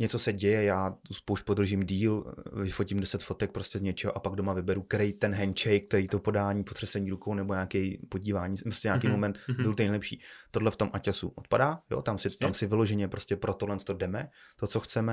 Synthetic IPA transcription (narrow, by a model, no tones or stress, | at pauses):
ɲɛt͡so̞sɛɟɛjɛjaːt̪uspowʃc̚pod̪r̩ʒɪmdiːlvɪfo̞cɪmdɛsɛt̪fo̞t̪ɛk̚pɾoscɛzɲɛt͡ʃɛɦoʔapaɡ̚do̞mavɪbɛɾukɛɾɛjt̪ɛnɦɛnt͡ʃɛjk̚t̪ɛɾiːt̪opo̞daːɲiːpot̪r̥ɛsɛɲiːɾukownɛboɲaːkɛjpo̞ɟiːvaːɲiːoscɛɲaːkejmomɛnt̪bɪlt̪onejlɛpʃḭːt̪o̞dlɛft̪o̞mʔacasṵʔot̪padaːjo̰t̪amsɪt̪amsɪvɪlo̞ʒɛɲɛpɾo̞scɛpɾot̪odlɛnt͡st̪odɛmɛt̪ot͡so̞xt͡sɛmɛ